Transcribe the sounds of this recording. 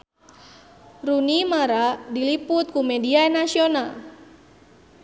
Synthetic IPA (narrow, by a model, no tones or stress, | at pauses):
runimaɾadilipʊt̪̚kumediaenasional